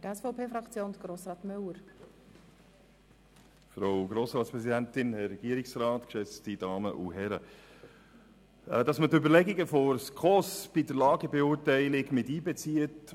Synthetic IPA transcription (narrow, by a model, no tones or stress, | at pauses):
tɛsfɔʊpeːfɾɑkt͡sjoːnd̪əɡ̥ɾoːsɾɑːt̪mœwəɾ | fɾowɡɾoːsɾɑːtspɾɛsidæntɪnhɛrːɛɡ̥iəɾɪksɾɑːtkʃɛt͡stid̥ɑːmə̰ʔṵɦɛɾə | d̥ɑsmətøbəɾlɛɡiɡəfɔɾskʰɔsb̥idəɾlɑːɡəbɛʊːɾtɛɪlɪɡmɪtiːbɛt͡siət